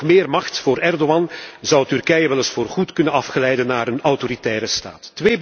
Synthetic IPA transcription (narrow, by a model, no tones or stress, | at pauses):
mɪːrmɑxtfoːɾɛrdoɑnzɑwtyrkɛjəʋɛlɪsfoːrχutkɵnənɑfχəlɛjdənːaːɾənɔwtoɾitɛːɾəsta̰ːtːʋeːb